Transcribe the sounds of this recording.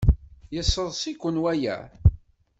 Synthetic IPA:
jəsːəðˤsikʷːənwæjæ̰

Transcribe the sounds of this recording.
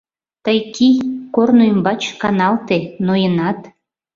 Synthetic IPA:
t̪əjkikornoimbɑt͡ɕkɑnɑlt̪enojənɑt̪

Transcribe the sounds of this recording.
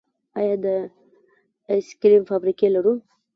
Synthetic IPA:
ɑjɑd̪ə | skɾimfabɾikelaɾu

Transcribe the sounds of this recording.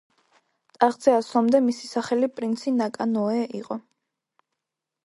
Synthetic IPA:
t̪ʼaʁd̪z̥ɛaslˠɔmd̪ɛmisi̥saχɛlipʼɾinsinakʼanɔɛʔiqʼɔ

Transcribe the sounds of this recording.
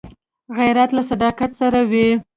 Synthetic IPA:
ɣajɾat̪lasad̪ɑkat̪saɾawi

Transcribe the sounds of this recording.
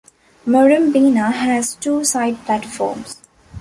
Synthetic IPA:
məɾə̃mbiːnaɦæzʈuːsaɪɖ̚plæʈfɔ̰ːɾms

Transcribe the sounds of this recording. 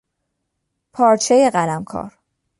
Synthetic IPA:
pʰɒːɾt͡ʃʰejeɢælæmkʰɒ̰ːɾ

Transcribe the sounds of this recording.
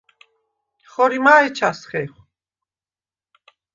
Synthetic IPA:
χɔɾimaːɛt͡ʃʰasχɛχ

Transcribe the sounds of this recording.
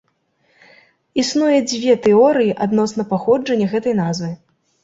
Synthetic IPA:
isnujɛd͡zʲvʲɛt̪ɛɔɾɨjiʔad̪nɔsnɐpaxɔd͡ʐɐnʲːɐɣɛt̪ɐjnazvɨ

